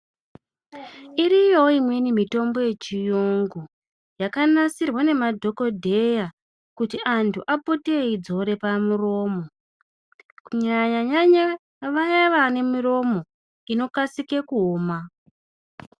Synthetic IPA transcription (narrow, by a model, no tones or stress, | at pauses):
iɾijo̞imwe̞nimito̞mbo̞je̞t͡ʃijoŋɡu | jakanasirwane̞madʱo̞ko̞dʱe̞ja | kutiʔantʰuʔaputeid͡zo̞ɾe̞pamuro̞ːmo̞ | kuɲaɲaɲaɲa | ʋajaʋane̞muro̞mo̞ | ino̞kasike̞kuoːma